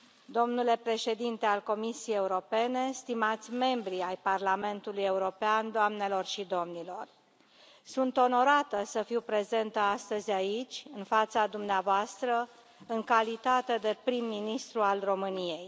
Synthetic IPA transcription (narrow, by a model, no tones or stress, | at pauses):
d̪o̞mnule̞pɾe̞ʃe̞d̪int̪e̞alko̞misiejeuɾo̞pe̞ne̞st̪imat̪sʲme̞mbɾiajparlame̞nt̪uluje̞uɾo̞peand̪oamne̞lo̞rʃid̪o̞mnilo̞̰r | sunt̪o̞no̞ɾat̪əsəfiwpɾe̞ze̞nt̪əast̪əzʲait͡ʃʲɨnfat̪sad̪umneavoast̪ɾə | ɨŋkalit̪at̪e̞d̪e̞pɾimːinist̪ɾualro̞mɨnije̞j